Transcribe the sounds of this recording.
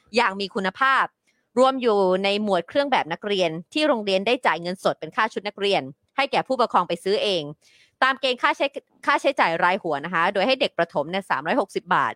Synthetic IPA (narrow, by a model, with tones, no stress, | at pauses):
jaː˨˩ŋmiː˧kʰu˧nːa˧pʰaː˥˩p̚ | ɾu˧əmjuː˨˩na˧jmu˨˩ət̪̚kʰɾɯ˥˩əŋbɛː˨˩p̚na˦˥k̚ɾi˧ənt̪ʰiː˥˩ɾoː˧ŋɾi˧əndaː˥˩jt͡ɕaː˨˩jŋɤ˧nso˨˩t̪̚pe˧nkʰaː˥˩t͡ɕʰu˦˥t̪̚na˦˥k̚ɾi˧ən | ha˥˩jkɛː˨˩pʰuː˥˩pa˧kʰɔː˧ŋpa˧jsɯː˦˥ʔeː˧ŋ | t̪aː˧mkeː˧ŋkʰaː˥˩˦ | kʰaː˥˩t͡ɕʰa˦˥jt͡ɕaː˨˩jɾaː˧jhu˩˦ɐna˦˥kʰa˦˥doː˧jha˥˩jde˨˩k̚pɾa˧t̪ʰo˩˦mni˥˩ɐsa̰ː˩˦mɾɔː˦˥jho˨˩k̚si˨˩p̚ba̰ː˨˩t̪̚